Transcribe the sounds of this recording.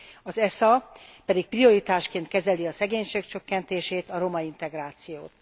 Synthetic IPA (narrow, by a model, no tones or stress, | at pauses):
ɒzɛsɒpɛd̪ik̚prio̞ɾit̪aːʃkeːnt̪kɛzɛliɒsɛɡeːɲʃeːk̚t͡ʃøkːɛnt̪eːʃeːt̪ɒɾo̞mɒint̪ɛɡraːt̪sijoːt̪